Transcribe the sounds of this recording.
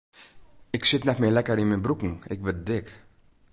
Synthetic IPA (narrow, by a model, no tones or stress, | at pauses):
ɪksɪtnɛtmɪːlɛkəɾinmɛnbrukn̩ɪkʋət̚dɪk